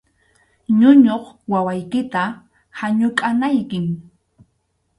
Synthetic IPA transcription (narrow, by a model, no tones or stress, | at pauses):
ɲʊɲoχwawajkɪt̪a | haɲʊkʼanajkɪŋ